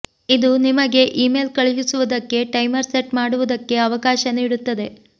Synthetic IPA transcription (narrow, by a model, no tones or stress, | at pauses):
id̪unimɐɡe̞ʔiːmeːlkɐɭiʃisuʋud̪ɐkːe̞ʈɐjmɐɾseʈmaːɽuʋud̪ɐkːe̞ɐʋɐkaːʃɐniːɽut̪ːɐd̪e̞